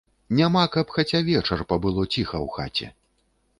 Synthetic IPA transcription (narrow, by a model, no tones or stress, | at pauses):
nʲamakɐpxat͡sʲavʲɛt͡ʂɐrpɐbɨlˠɔt͡sʲixɐwxa̰t͡sʲɛ̰